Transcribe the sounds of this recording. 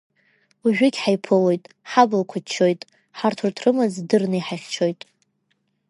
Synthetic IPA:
uʒᶣʏɡʲħajpʰɨlo̞jtʼ | ħablakʷʰat͡ʃʰːo̞jtʼ | ħartʰurtʰrɨmɨzdɨrnɨjħaχʲt͡ʃʰo̞jtʼ

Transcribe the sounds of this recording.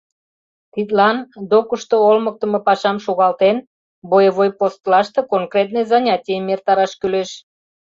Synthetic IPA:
t̪it̪lɑnd̪okəʃt̪oolmək̚t̪ə̆mɤpɑʃɑmʃuɣɑlt̪en | bojəβojpost̪lɑʃt̪ɤ̽koŋkrʲet̪nəjzɑnʲɑtʲijəmert̪ɑɾɑʃkyleʃ

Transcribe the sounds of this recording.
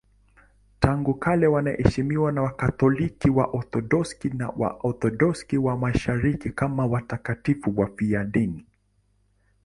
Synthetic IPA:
taŋɡukalɛwanaʔɛ̰ʃimiwanawakatɔlikiwaʔɔθɔɗɔskina̰wa̰ʔɔθɔɗɔskiwamaʃaɾikikamawatakatifuwafiaɗini

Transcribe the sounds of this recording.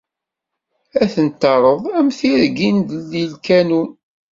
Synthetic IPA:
æθənt̪ːɑɾˤəðˤæmθiɾɡind̪əlːilkænun

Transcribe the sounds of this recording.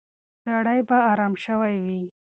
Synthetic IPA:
saɽajbaːɾɑmʃəwajwi

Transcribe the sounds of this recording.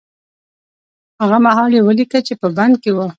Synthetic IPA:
haɣamaɦɑljewəlikat͡ʃepəband̪̚kewə

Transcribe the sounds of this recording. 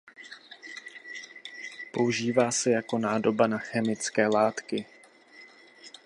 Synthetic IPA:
po̞uʒiːvaːsɛjako̞naːdo̞banaxɛmɪt͡skɛːlaːt̪kɪ

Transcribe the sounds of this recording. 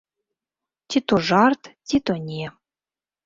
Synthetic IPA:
t̪ʲit̪oʐɑrt̪t̪ʲit̪onʲe

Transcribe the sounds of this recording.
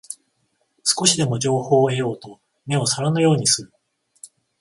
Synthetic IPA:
sɨ̥ko̞ɕid̪e̞mo̞ʑo̞ːho̞ːe̞jo̞ːt̪o̞ | me̞o̞saɾanojo̞ːɲ̟isɨɾɯ̟

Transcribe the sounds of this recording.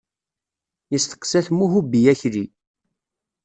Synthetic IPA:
jəst̪ə̥qːsæθmuɦubijæçɾi

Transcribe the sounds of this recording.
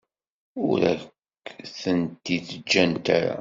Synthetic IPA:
ʊɾækː | θənt̪iθəd͡ʒːænt̪aɾa̰

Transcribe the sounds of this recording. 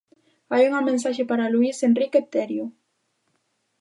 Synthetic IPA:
ajuŋamẽnsaʃepaɾaluisenrikep̚t̪eɾju

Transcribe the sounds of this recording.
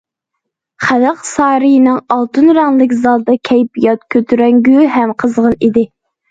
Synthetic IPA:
χæləqsɑːɾɨjinɪŋɑlˠt̪ʰɨnɾɛŋlˠɪkʲzɑlˠd̪ɑkʲʰɛjpijɑt̪kʲʰøt̪ʰyɾɛŋɡʲyɦɛmqʰəzʁənid̪ɪ

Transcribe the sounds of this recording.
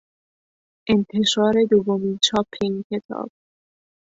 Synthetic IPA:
ʔe̞nt̪ʰe̞ʃɒːɾe̞d̪ovːomiːnt͡ʃʰɒːpʰːeiːncʰe̞t̪ʰɒ̰ːb̥̚

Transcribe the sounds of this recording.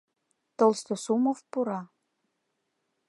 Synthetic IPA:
t̪olˠst̪osumofpuɾɑ

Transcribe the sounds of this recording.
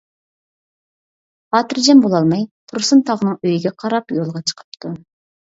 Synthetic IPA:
ɑːt̪ɨɾd͡ʒɛmbolˠɑlˠmɑjt̪ʰuɾsɨnt̪ʰɑʁənɨŋøjiɡʲɛqʰɑɾɑpjolˠʁɑt͡ʃʰə̥qʰə̥p̚t̪ʰu

